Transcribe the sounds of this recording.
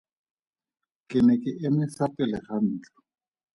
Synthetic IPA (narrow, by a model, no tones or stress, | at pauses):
kʼɪnɛkɪʔɪmɪsapʼɪlɪχan̩ːt͡ɬɔ̥